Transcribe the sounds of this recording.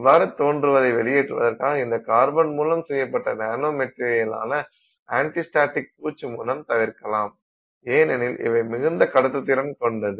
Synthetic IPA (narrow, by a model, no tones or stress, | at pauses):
ʋːaːɾɯt̪oːndrɯʋɐðɐɪʋɛɭɪjeːʈrɯʋɐ̰ðɐɾkaːɣɐɪnd̪ɐkaːɾbɐnmuːlɐmsɛjːɐpːɐʈːɐnaːnoːmɛʈɾɪɐjɪla̰ːnɐ | aːɳʈɪsʈaːʈːɪk̚puːt͡ʃːɯmuːlɐmt̪ɐʋɪɾkɐlaːm | eːnɛnɪlʔɪ̰ʋɐɪmɪɣɯnd̪ɐkɐɽɐt̪ːɯt̪ːɪɾɐmkɔɳɖɐðɯ